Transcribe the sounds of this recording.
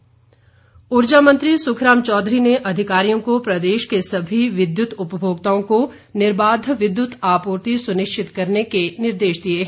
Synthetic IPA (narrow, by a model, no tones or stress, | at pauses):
ʊɾd͡ʒamɐ̃nt̪ɾisʊkʰɾaːmt͡ʃɔːd̪ɾineʔɐd̪ʱɪkaːɾijõkopɾɐd̪eːʃkesɐbʱiʋɪd̪jʊt̪ʊpəbʱoːɡ̚t̪aõko | nɪɾbaːd̪ʱʋɪd̪jʊt̪aːpuːɾt̪isʊnɪʃt͡ʃʰɪt̪kɐɾnekenɪɾd̪eːʃd̪ieɦ